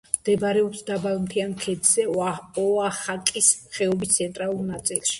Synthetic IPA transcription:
md̪̥ɛbɾɛɔpsd̪abalˠmt̪ʰiankʰɛd̪zɛɔaχakʼisχɛɔbist̪sʰɛnt̪ʼɾalˠuɾnat̪sʼilˠʃi̥

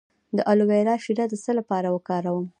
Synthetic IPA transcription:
d̪əʔaluweɾɑʃiɾad̪əsəlapɑɾawəkɑɾawəm

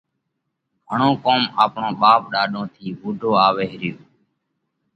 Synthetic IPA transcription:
həɳõːkoːmaːpɳõːɓaːpɗaːɗõːt̪ʰiːɓuːɖʱoːaːʋeːɦɪɾjoː

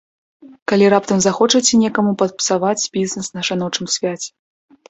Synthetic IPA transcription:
kalʲirap̚t̪ɐmzaxɔt͡ʂɐt͡sʲɛnʲɛkɐmupɐt̪̚pɨ̥savat͡sʲbʲiznɛsnɐʂanɔt͡ʂɨmsʲvʲat͡sʲɛ̥

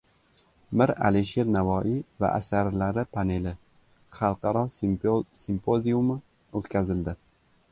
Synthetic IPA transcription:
mɪɾa̰liʃeɾnavɒʔiva̰ʔa̰saɾlaɾɪpʰane̞lɪ | χɑlˠqɑɾɒ | simpʰozijumɪ | ot̪kʲʰazɪld̪ɪ

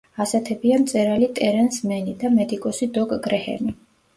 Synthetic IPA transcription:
asɛt̪ʰɛbiamt̪sʼɛɾalit̪ʼɛɾɛnsmɛnid̪amɛd̪ikʼɔsid̪ɔkʼɡɾɛhɛ̰mi

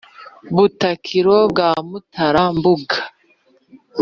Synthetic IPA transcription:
βutakʰiɾob̚ɡaːmutʰaɾambuɡa

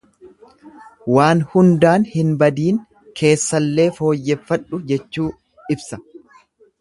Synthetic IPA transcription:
waːnhʊnd̪aːnhɪnbɐd̪iːŋ | kʰe̞ːsːɐlːe̞ːfo̞ːjːɛfːɐᶑʊd͡ʒɛt͡ʃːuː | ɪbsɐ

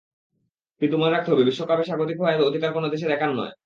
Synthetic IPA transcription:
pɾit̪umoneɾak̚t̪eɦɔbebiʃːokʰapeʃaɡot̪̬ikɦɔeebood̪ʱikaɾkonod̪eʃ̬eɾɛkʰanːɔ̰e

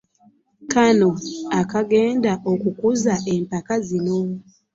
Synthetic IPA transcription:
kano̞akaɡe̞ːndaʔokukuzaʔe̞mpakazino̞

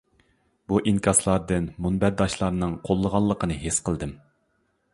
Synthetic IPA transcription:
buʔiŋkʲʰɑslˠɑɾd̪ɨnmunbæɾd̪ɑʃlˠɑɾnɨŋqʰolˠːəʁɑlˠːəqənɨɦesqʰəlˠd̪ɨm

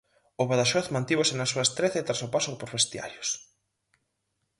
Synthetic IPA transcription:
ʊβaðaʃɔθmãnt̪iβosɪnɐsuɐest̪ɾeθet̪ɾasopasʊpoɾβest̪ja̰ɾjos

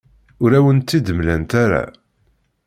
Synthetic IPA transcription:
ʊɾæwənt̪ːid̪əmlænt̪aɾa̰

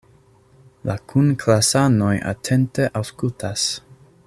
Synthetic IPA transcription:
lakʰunkʰlasano̞jʔa̰tʰe̞nteʔawskultʰas

